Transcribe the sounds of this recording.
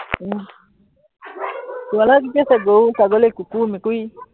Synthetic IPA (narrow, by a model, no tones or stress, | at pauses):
kuwalak̬ipiɛsaɡɔukaɡɔlɛkukumikui